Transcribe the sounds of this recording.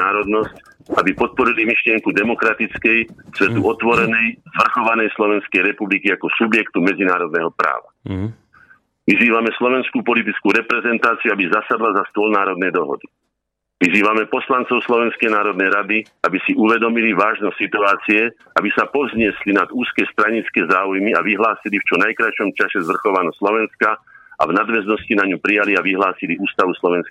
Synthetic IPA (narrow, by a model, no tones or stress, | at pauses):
aːɾɔd̪nɔsc | abipɔt̪̚pɔɾilimiʃlɪɛŋkud̪ɛmɔkɾat̪it͡skɛjsʋɛt̪uʔɔt̪ʋɔɾɛnɛjzʋr̩xɔʋanɛjslɔʋɛnskɛjɾɛpublikiakɔsubjɛkt̪umɛd͡zinaːɾɔd̪nɛɦɔpɾa̰ːʋa̰ | ʋiziːʋamɛslɔʋɛnskupɔlit̪̬it͡skuɾɛpɾɛzɛnt̪aːt͡siuabizasad̪lazast̪ʊɔlnaːɾɔd̪nɛjd̪ɔɦɔ̰d̪i | ʋiziːʋamɛpɔslant͡sɔʊslɔʋɛnskɛjnaːɾɔd̪nɛjɾad̪i | abisiʔuʋɛd̪ɔmiliʋaːʒnɔtsit̪uaːt͡siɛ | abisapɔzɲɪɛslinad̪uːskɛst̪ɾaɲit͡skɛːzaːujmiaʋiɦlaːsilift͡ʃɔnajkɾaʃɔmt͡ʃasɛzʋr̩xɔʋanɔslɔʋɛnskaʔa̰vnad̪ʋɛznɔscinaɲupɾijaliaʋiɦlaːsiliuːst̪aʋuslɔʋɛnsk